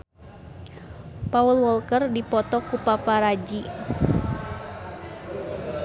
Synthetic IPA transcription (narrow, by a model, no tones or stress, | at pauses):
paulwɔlkərdipɔt̪ɔkupapaɾad͡ʒi